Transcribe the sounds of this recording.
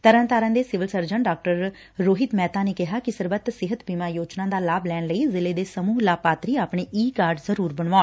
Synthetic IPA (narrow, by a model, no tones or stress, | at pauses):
t̪əɾə̃nt̪aːɾãːd̪eːsɪʋɪlsəɾd͡ʒəɳɖaːk̚ʈəɾː | oːɦɪt̪mɛːt̪aːneːkɪɦaːkɪsəɾbət̪sɪɦət̪biːmaːjoːt͡ʃnãːd̪aːlaːblɛːɳləiːzɪleːd̪eːsəmuːɦlaːpaːt̪ɾiːaːpɳeːʔiːkaːɾɖzəɾuːɾbəɳʋaːn